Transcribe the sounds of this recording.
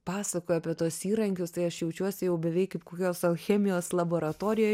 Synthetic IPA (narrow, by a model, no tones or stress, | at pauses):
pɑːsɐkoːjɐpʲiɛt̪uɔsiːɾɐŋʲkʲʊst̪ɐɪɐʃjɛʊt͡ʃʲuɔsʲɪjɛʊbʲɛʋʲɛɪkkɐɪpkoːkʲoːsɐxʲɛːmʲɪjoːslˠɐboːɾɐt̪oːɾʲɪjoː